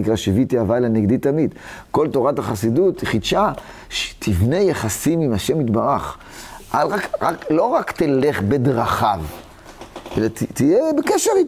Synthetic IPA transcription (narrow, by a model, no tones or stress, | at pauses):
ikʁaʃivit̪iavaelaneɡd̪it̪ːamid̪ko̞lto̞ʁataχasidut̪χid̪ʃa | ʃe̥t̪ʰivnejaχasimimaʃe̞mit̪baʁaχ | ʔalʁakʁaklo̞ʁakt̪eleχbed̪ʁaχav | ʔḛlat̪t̪ijebekeʃeʁi